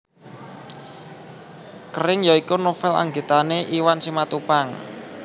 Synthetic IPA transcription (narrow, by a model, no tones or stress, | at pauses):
kəɾɪŋjaikunofɛla̰ŋɡe̤t̪aneʔiwansimat̪upaŋ